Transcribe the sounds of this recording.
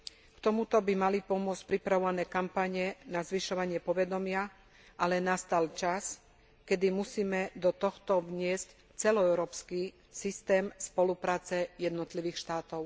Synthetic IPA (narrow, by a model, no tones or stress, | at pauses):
kt̪ɔmut̪ɔbimalipɔmʊɔt͡sc̚pɾipɾaʋɔʋanɛːkampaɲɛnazʋiʃɔʋaɲɪɛpɔʋɛd̪ɔmɪa | ʔalɛnast̪alt͡ʃas | kɛd̪imusiːmɛd̪ɔt̪ɔxt̪ɔʋɲɪɛsc | t͡sɛlɔɛʊɾɔːpski | sist̪ɛːmspɔlupɾaːt͡sɛjɛd̪nɔt̪liʋiːxʃt̪aːt̪ɔʊ